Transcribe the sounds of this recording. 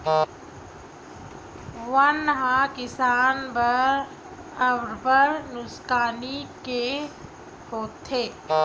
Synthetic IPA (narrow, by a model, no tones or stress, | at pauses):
ʋɐnɦãkɪsaːnbə | əʋɾbəɾnʊskaːnike | hoːt̪ʰːeː